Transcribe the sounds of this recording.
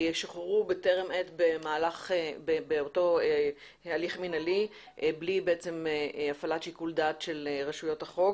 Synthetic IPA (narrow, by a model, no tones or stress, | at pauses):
eʃaχeʁubeteʁemetbemaːlaχbebeoto̞e | aliχminali | ʔblibeet͡se̞meafalatʃikuldatʃe̞lʁeʃujo̞thaχo̞ɡ